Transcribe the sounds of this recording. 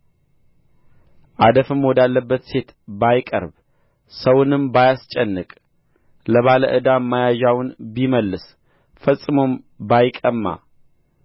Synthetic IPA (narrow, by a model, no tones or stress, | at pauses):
ʔad̪əfɨmwɔd̪alːəbːət̪se̞t̪ | bajkʼə̰ɾb | səwnɨmbajast͡ʃʼɛnːɨkʼ | ləβaləʔɨd̪amːajaʒawʊnbiməlːɨs | fəsʼɨmom | bajkʼəmːa̰